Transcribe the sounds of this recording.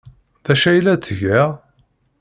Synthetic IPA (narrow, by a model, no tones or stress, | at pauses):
ðæʃæjlːæt͡sːʝæ